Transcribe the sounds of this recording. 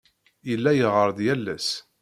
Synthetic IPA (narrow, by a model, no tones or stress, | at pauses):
əlːæjəʁəɾˤðjælːæ̰s